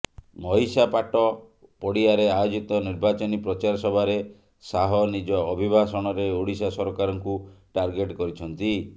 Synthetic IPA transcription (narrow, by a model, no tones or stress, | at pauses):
mɔɦisapaʈɔ | pɔɽiaɾeajod͡ʒit̪ɔniɾbat͡ʃɔnipɾɔt͡ʃaɾɔsɔbʱaɾe | saɦɔnid͡ʒɔːbʱibʱasɔɽ̃ɔɾeuɽisasɔɾɔkaɾɔŋkuʈaɾɡeʈkɔɾit͡ʃʰɔnt̪i